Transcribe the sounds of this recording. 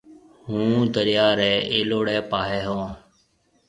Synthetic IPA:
hũːd̪əɾjaːɾɛːeːloːɽɛːpaːɦɛːɦõː

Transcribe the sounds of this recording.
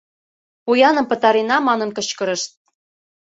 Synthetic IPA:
pujɑnə̆mpɤ̆t̪ɑɾenɑmɑnɤ̆nkɤ̆t͡ɕkɤ̆ɾə̆ʃt̪̚

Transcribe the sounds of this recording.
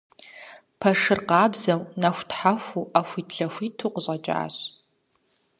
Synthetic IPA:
pʰɐʂɨrqɑːbzɐwnɐxʷtħaxʷuʔaːxʷiːtʰɬɐxʷiːtʰuqɕʼɐt͡ʃʼa̰ːɕ

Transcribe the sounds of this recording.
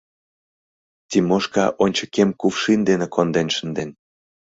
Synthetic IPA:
t̪ʲimoʃkɑʔonʲt͡ɕɤ̥̆kemkufʃind̪enekond̪enʃə̆nd̪en

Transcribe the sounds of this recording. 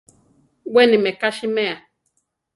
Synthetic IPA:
wɛnimɛkaʃimɛa

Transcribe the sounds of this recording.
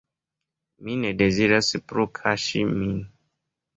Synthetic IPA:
minedeziɾaspɾokʰaʃimĩn

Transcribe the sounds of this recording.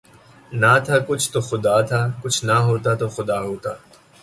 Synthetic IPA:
naːt̪ʰaːkʊt͡ʃʰt̪oːxʊd̪aːt̪ʰaːkʊt͡ʃʰnaɦoːt̪aːt̪oːxʊd̪aːɦoːt̪aː

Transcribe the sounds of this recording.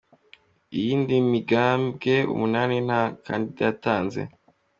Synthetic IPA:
ijiːndimiɡaːmbɡe̞ṵmunaːnin̥haka̰ndidajataːnze̞̰

